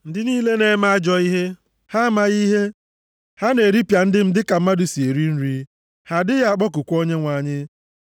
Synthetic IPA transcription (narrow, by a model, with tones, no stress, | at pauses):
n̩˦dɪ˨niː˦le˦ne˦ma˦a˦d͡ʒɔ˦i˦ɦe˦ | ha˦ma˨ɣi˦ɦe˦ | ha˦ne˨ɾi˦pja˨n̩˦dɪ˦m̩˦dɪ˦ka˨m̩˦ma˦dʊ˨si˨e˨ɾi˦n̩˦ɾi˦ | ha˨dɪ˦ɣa˦a˨k͡pɔ˦kʊ˨kʷo˦ɲe˦ŋʷa˨ɲɪ˦